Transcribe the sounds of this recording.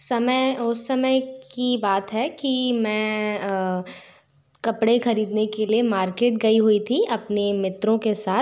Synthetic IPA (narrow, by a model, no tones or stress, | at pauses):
sɐməjʊsːɐməjkkibaːt̪ɦɛkimɛ̃ː | kɐpɽexɐɾiːd̪nekeliemaːɾkeːʈɡɐiɦuit̪ʰiɐpnemɪt̪ɾõkesaːt̪